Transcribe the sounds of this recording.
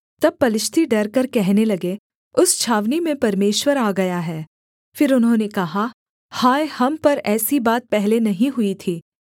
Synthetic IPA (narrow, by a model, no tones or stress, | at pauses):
t̪ɐb̚pːɐlɪʃt̪ʰiɖɐɾkɐɾkɛɦnelɐɡe | ʊst͡ʃʰaːʋnimẽpɐɾmeːʃwəɾaːɡɐjaɦɛː | fɪɾʊnɦõːnekɐɦa | haːjhɐmpɐɾɛːsibaːt̪̚pɛɦlenɐɦĩɦʊit̪ʰiː